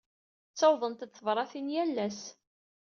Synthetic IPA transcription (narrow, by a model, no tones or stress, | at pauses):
t͡sːɑwðˤənt̪θəvɾˤɑθinjælːæs